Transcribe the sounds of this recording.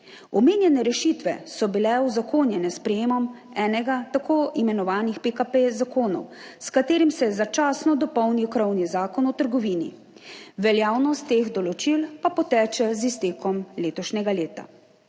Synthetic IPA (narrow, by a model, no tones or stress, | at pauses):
ɔmeːnjɛnɛɾɛʃiːt̪ʋɛ̰sɔbilɛuzakoːnjɛnɛspɾɛjeːmɔm | ɛːnɛɡat̪akoːʔimɛnɔʋaːnixpekapezakoːnɔ̰w | skat̪eːɾimsɛjɛzat͡ʃaːsnɔd̪ɔpɔwniwkɾɔwnizaːkɔnɔt̪əɾɡɔʋiːnḭ | ʋɛljaːwnɔst̪ːeːɣd̪ɔlɔt͡ʃilpapɔt̪ɛːt͡ʃɛzist̪eːkɔmleːt̪ɔʃnʲɛɡaleːt̪a̰